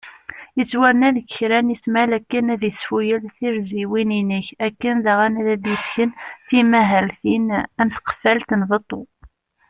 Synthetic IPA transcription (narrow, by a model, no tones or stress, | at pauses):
jət͡sːwæɾnæðəççɾænismælækːənæðjəsfujəlθiɾziwininəçækːənðaʁænæðæd̪jəsçənθimæɦælθinænθqə̥fælt̪nðˤət̪ˤːo